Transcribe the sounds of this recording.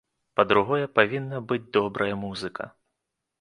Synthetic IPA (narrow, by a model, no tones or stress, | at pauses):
pɐd̪ɾuɣɔjɛpavʲinːɐbɨd͡zʲd̪ɔbɾʔɐjɐmuzɨkʰɐ̰